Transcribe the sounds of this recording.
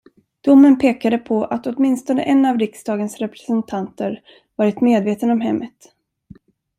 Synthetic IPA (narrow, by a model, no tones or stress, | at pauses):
d̪̥ʊmːənpʰeːkad̪əpʰɔʔat̪ɔt̪mɪnst̪ɔnə̰ʔɛnːavɾɪksd̪ɑːɡənsɾɛpɾɛ̥sɛnt̪ʰant̪əɾ | vɑːɾɪt̪meːd̪veːt̪ənɔmɦɛmːət̪